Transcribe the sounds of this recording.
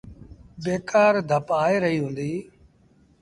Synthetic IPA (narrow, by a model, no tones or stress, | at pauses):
beːkaːɾd̪ʱəpaːeːɾəɦiːɦũːnd̪iː